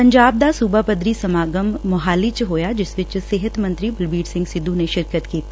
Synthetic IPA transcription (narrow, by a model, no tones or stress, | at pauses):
pɐ̃ɲd͡ʒaːb̚d̪asuːbapɐd̪ɾisɐmaːɡəmːʊɦaːlit͡ʃɦoːjad͡ʒɪsʋɪt͡ʃseɦət̪mɐ̃nt̪ɾibʊlbiːʈsɪ̃ŋɡsɪd̪ʱũneʃɪɾkət̪kiː